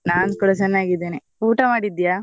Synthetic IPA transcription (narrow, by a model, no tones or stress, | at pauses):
naːnkuɽɐt͡ʃɛnːaːɡid̪ːeːni | uːʈɐmaːɽid̪ijaː